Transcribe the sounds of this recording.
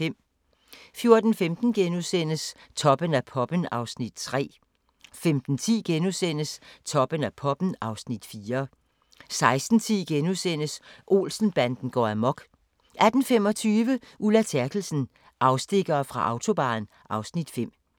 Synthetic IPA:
em̰ | fjo̝ɐd̥n̩femd̥n̩ɡ̥enuðˠsen̰əst͡sʰɒ̽b̥ənæpʰɒ̽b̥ənɑ̈ʊsnid̥̚t͡sʰʁɛ̰ː | femd̥n̩t͡sʰḭːɡ̥enusen̰əst͡sʰɒ̽b̥ənæpʰɒ̽b̥ən̩ɑ̈ʊsnid̥fiːɐ | sɑ̈ɪsd̥n̩t͡sʰḭːɡ̥enusen̰əsʔo̝̰ːlsn̩b̥ænd̥n̩ɡ̥ɒ̰æmɒ̽ɡ̥ | æd̥n̩fem̰ɒ̽t͡sʰyːʋə | ʔulæt͡sʰæɐɡ̥l̩sn̩ | ʔɑ̈ʊsd̥e̝ɡ̥ɐːfʁɑ̈ʔɑ̈ʊt͡sʰo̝b̥æ̰ːn̩ | ʔɑ̈ʊsnid̥fem̰

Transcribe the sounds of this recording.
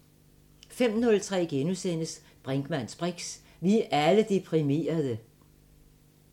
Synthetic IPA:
fem̰nɔ̽lt͡sʰʁɛ̰ːɡ̥enusen̰əs | b̥ʁɛŋɡ̥mæn̰sb̥ʁeɡ̥s | ʋiʔæləd̥e̝pʰʁime̝̰ːɐðˠə

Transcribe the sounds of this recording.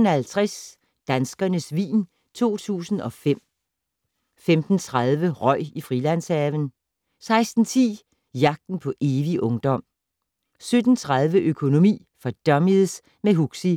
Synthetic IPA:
nhælt͡sʰʁas | d̥ænsɡ̥ɐnəsʋḭːn | t͡sʰo̝̰ːt͡sʰṵːsn̩ɒ̽fem̰ | femd̥n̩t͡sʰʁɑðˠʋəʁɒ̽ɪ̰ifʁilænsɛʋən | sɑ̈ɪsd̥n̩t͡sʰḭː | jɑ̈ɡ̥̚d̥n̩pʰɒ̽ʔe̝ːʋiʔɔ̽ŋd̥ɒ̽m̰ | sød̥n̩t͡sʰʁɑð̞ˠʋəʔøkʰo̝no̝mḭː | fɒ̽d̥ɶmiðˠs | meɦuɡ̥si

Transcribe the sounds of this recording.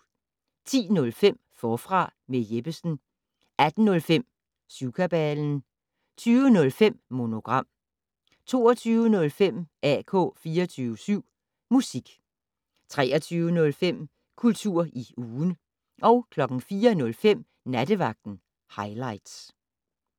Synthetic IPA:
t͡sʰḭːnɔ̽lfem̰fɒːfʁɑ̈mejeb̥əsn̩ | ʔæd̥n̩ːɔ̽lfem̰ | suʊkʰæb̥ɛln̩ | t͡sʰyːʊənɔ̽lfem̰mo̝no̝ɡ̥ʁɑ̈m̰ | t͡sʰo̝̰ːɐt͡sʰyːʊənɔ̽lfem̰æ̰kʰɔ̰ːfiːɐt͡sʰyːʊəsyʊ̰ | musiɡ̥ | t͡sʰʁɛ̰ːʔɐt͡sʰyːʊənɔ̽lfem̰ | kʰult͡sʰuɐ̰ʔiuːn | ʔɒ̽ʊkʰlɒ̽ɡ̥ŋ̩fiːɐnɔ̽lfem̰ | næd̥əʋɑ̈ɡ̥̚d̥n̩ | hɑ̈ɪlɑ̈ɪ̰d̥s

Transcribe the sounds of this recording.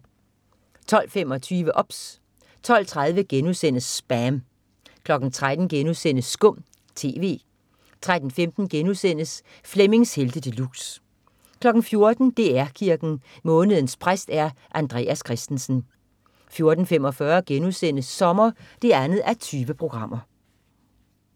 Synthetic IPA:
t͡sʰɒ̽l̰femɒ̽t͡sʰyːʋəʔɒ̽b̥s | t͡sʰɒ̽l̰t͡sʰʁað̞ˠʋəɡ̥enusen̰əsb̥æm | kʰlɒ̽ɡ̥n̩t͡sʰʁad̥n̩ɡ̥enuðˠsen̰əsːɡ̥ɔ̽m̰ | t͡sʰe̝̰ːʋe̝̰ː | t͡sʰʁad̥n̩femd̥n̩ɡ̥enusen̰əs | fleme̝ŋsheld̥əd̥əlṵs | kʰlɒ̽ɡ̥n̩fjo̝ɐd̥n̩d̥e̝ːæɐkʰiɐɡ̥n̩ | mɔ̽ːnəðˠn̩spʰʁasd̥æɐʔænd̥ʁḛːæskʰʁasd̥en̩sn̩ | fjo̝ɐd̥n̩fem̰ɒ̽fɶɐɡ̥enusen̰əsːɒ̽mɐd̥e̝ænð̞̩ˠæɐt͡sʰyːʋəpʰʁo̝ɡ̥ʁɑ̈m̰ɐ

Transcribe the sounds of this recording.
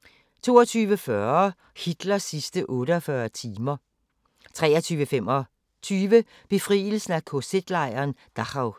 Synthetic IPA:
t͡sʰo̝̰ːɒt͡sʰyːʋəfɶɐ | hid̥lɐsisd̥əʔɔ̽ːɾəɒfɶɐt͡sʰiːmɐ | t͡sʰʁɛːɐt͡sʰyːʋəfem̰ɒ | t͡sʰyːʋə | b̥e̝fʁḭːl̩sn̩ækʰosed̥lɑ̈ɪɐːnd̥ɑʁɑ̈ʊ

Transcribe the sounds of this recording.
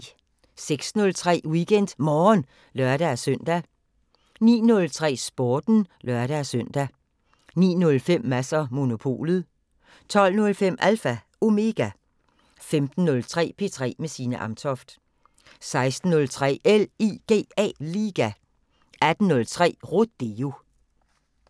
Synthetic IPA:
seɡ̥snɔ̽lt͡sʰʁɛ̰ːwiɡ̥en̰d̥mɒːn | lɶɐɾ̥æsœn̰d̥æ | nḭːnɔ̽lt͡sʰʁɛ̰ːsb̥ɒːd̥n̩lɶɐɾ̥æsœn̰d̥æ | nḭːnɔ̽lfem̰ːæsɐmo̝no̝pʰo̝̰ːlð̩ˠ | t͡sʰɒ̽l̰nɔ̽lfem̰ʔælfæ | o̝me̝ɡ̥æ | femd̥n̩ːɔ̽lt͡sʰʁɛ̰ːpʰe̝t͡sʰʁɛ̰ːmesiːnəʔɑ̈mt͡sʰɒfd̥ | sɑ̈ɪsd̥n̩ːɔ̽lt͡sʰʁɛ̰ːeliɡ̥e̝̰ːɛ̰ːliːɡ̥æ | ʔæd̥n̩ːɔ̽lt͡sʰʁɛ̰ːʁod̥e̝o̝

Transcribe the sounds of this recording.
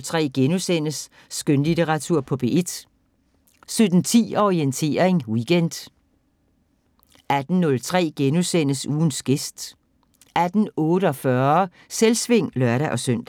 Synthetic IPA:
lt͡sʰʁɛ̰ːɡ̥enusen̰əsː | ɡ̥ønlit͡sʰeʁɑ̈t͡sʰuɐ̰pʰɒ̽b̥e̝ʔe̝d̥ | sød̥n̩t͡sʰḭːɒʁient͡sʰe̝̰ːɐʁeŋwiɡ̥end̥ | ʔæd̥n̩nɔ̽lt͡sʰʁɛ̰ːɡ̥enusen̰əsuːn̩sɡ̥e̝sd̥ | ʔæd̥n̩ɔ̽ːɾ̥əɒ̽fɶɐ | selsʋe̝ŋ̰lɶɐɾæʔɒ̽søn̰d̥

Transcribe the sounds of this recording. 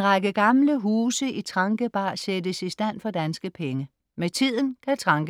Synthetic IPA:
ʁɑɡ̥əɡ̥ɑ̈mləɦuːsəʔit͡sʰʁɑ̈ŋɡ̥əb̥ɑ̈ːsedəsisd̥æn̰fɒ̽d̥ænsɡ̥əpʰeŋə | met͡sʰið̞̰ˠn̩kʰæt͡sʰʁɑ̈ŋɡ̥ə

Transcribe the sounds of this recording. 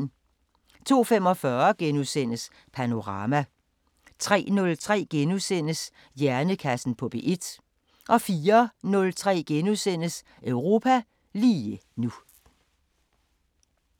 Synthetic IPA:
n | t͡sʰo̝̰ːfem̰ɒ̽fɶɐɡ̥enusen̰əs | pʰæno̝ʁɑ̈mæ | t͡sʰʁɛ̰ːnɔ̽lt͡sʰʁɛ̰ːɡ̥enusen̰əs | jæɐnəkʰæsn̩pʰɒ̽b̥e̝̰ʔe̝d̥ | ʔɒ̽fiːɐnɔ̽lt͡sʰʁɛ̰ːɡ̥enuðˠsen̰əs | ʔœʊʁo̝ːpʰæ | liːənu

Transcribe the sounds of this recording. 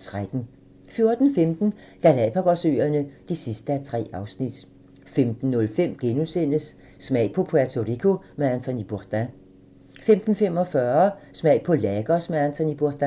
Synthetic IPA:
t͡sʰʁad̥n̩ | fjo̝ɐd̥n̩femd̥n̩ | lælɛpʰæɡ̥ɒsøːɐnəd̥isisd̥əæt͡sʰʁɛ̰ːɑ̈ʊsnid̥ | femd̥n̩ːɔ̽lfem̰ɡ̥enusen̰əsː | mɛɪ̰pʰɒ̽pʰæt͡sʰo̝ʁikʰomeænt͡sʰɒ̽nib̥uɐd̥æ | femd̥n̩fem̰ɒ̽fɶːɐsmɛɪ̰pʰɒ̽læɡ̥ɒsmeænt͡sʰɒ̽nib̥uɐd̥æ

